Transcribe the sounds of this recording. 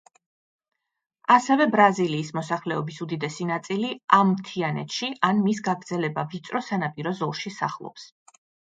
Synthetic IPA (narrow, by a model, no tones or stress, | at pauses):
asɛvɛbɾaziliːsmɔsaχlɛɔbisud̪id̪ɛsinat̪sʼiliamːt̪ʰianɛ̰t̪ʃiʔanmisɡaɡɾd̪zɛlɛbavit̪sʼɾɔsanapʼiɾɔzɔlˠʃisa̰χlˠɔ̰ps